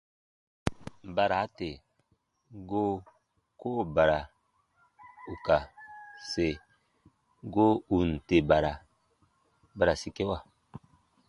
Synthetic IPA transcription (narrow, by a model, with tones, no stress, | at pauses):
ba˨ɾa˨˦te˨ | ɡo˦ | ko˦˨ba˨ɾa˨ | u˨ka˨se˨ | ɡo˦u˨n̩˨te˨ba˨ɾa˨ | ba˨ɾa˨si˨ke˦wa˨